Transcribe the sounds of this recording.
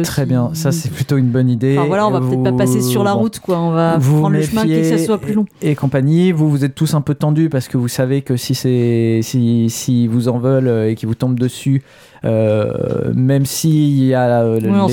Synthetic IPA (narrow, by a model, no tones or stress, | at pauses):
t̪χɛbjɛ̃sasɛplyt̪oynbɔnid̪evwalaɔ̃vapəvtɛpapasesyʁlaʁut̪kwaɔ̃vavũmefɛ̃jesaswaplylɔ̃ekɔ̃paɲivuvuzɛt̪ːusɛ̃pøt̪ɑ̃d̪ypaʁsə̥kəvusavekəsisɛsisivuzɑ̃vɔløekʲivut̪ɔ̃bd̪əsy | ø | mɛmsiiljaø̃